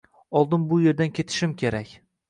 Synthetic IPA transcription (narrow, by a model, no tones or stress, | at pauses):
ɒlˠd̪ɪnbʊje̞ɾd̪ankʲʰe̞t̪ʰɪ̥ʃɪmkʲʰe̞ɾakʲ